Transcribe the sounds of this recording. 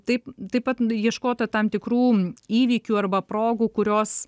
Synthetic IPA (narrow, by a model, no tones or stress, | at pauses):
t̪ɐɪpt̪ɐɪpɐt̪jiɛʃkoːt̪ɐt̪ɐmt̪ʲɪkɾuːiːʋʲiːkʲuːɐrbɐpɾoːɡuːkʊɾʲoːs